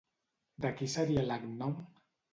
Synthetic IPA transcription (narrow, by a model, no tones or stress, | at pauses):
d̪akisaɾialaknɔm